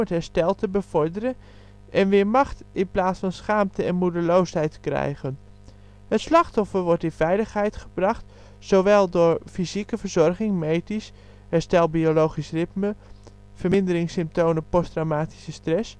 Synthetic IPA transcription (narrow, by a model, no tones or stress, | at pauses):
ətɦɛɹstɛlˠtəbəv̥ɔɹdəɾən | ʔɛnʋɪːɹmɑχtɪnplaːsfɑnsχaːmtəɛnmudəlowsɦɛjtkrɛ̰jχən | hətslɑχtɔfəɹʋɔɹtɪnvɛjləχɦɛjtχəbrɑχt | sowʋɛlˠdʊːɹfizikəvəɹzɔɹχɪŋmejtis | ɦɛɹstɛlˠbiolowχisrɪtmə | v̥əɹmɪndəɾɪŋsɪmp̚towməpɔstrawmaːti̥səstrɛs